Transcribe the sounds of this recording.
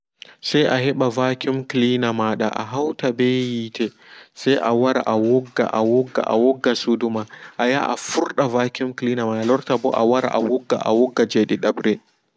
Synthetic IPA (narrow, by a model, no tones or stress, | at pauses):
sajʔahɛɓavaːkʲimkliːnamaɗa̰ʔa̰ɦawtabejitʰɛ | sajʔawaɾaʔawɔɡːa̰ʔawɔɡːa̰ʔa̰wɔɡːasudumaʔaja̰ːʔafʊɾɗavaːkʲimkliːnamaɗalɔɾtabɔʔa̰waɾa̰ʔa̰wɔɡːa̰ʔa̰wɔɡːad͡ʒɛɗɛɗabɾɛ